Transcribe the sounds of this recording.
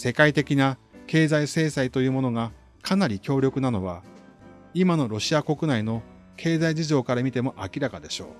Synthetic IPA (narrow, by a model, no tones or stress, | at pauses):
se̞kait̪e̞kʲinake̞ːzaise̞ːsait̪o̞jɯ̟ːmo̞no̞ɡa | kʰanaɾʲikʲo̞ːɾʲjo̞kɯ̟nano̞βa | imano̞ɾo̞ɕiako̞kɯ̟naino̞ | kʰe̞ːzaid͡ʑiʑo̞ːkaɾamʲit̪e̞mo̞ʔakʲiɾakad̪e̞ɕo̞ː